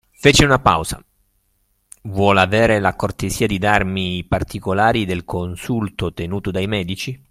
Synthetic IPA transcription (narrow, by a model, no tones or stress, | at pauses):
feːt͡ʃiunapa̰wz̥a̰ | vwɔlaveːɾelakort̪eziːad̪id̪armipart̪ikolaːɾid̪elkʰonsult̪ot̪enuːt̪od̪ajmɛːd̪it͡ʃi